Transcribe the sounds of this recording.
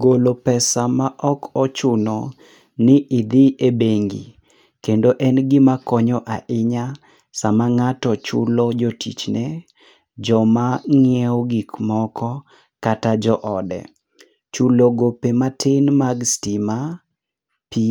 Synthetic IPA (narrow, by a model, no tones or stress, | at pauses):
ɡolopɛsamaʔɔkɔt͡ʃʊnɔ | nɪʔɪd̪ɪebeŋɡḭ | kendoʔɛnɡɪmakɔɲɔʔaʔɪɲa | samaŋatɔt͡ʃʊ̰lɔd͡ʒotʰḭt͡ʃnɛ | d͡ʒɔmaŋɪɛoɡikmɔkɔ | katad͡ʒɔʔɔdɛ̰ | t͡ʃuloɡopematʰɪnmaɡstima | pi